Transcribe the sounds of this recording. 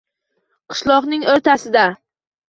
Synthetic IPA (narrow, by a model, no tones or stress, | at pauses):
qʰɨ̥ʃlˠɒqnɪŋoɾt̪ʰasɪd̪a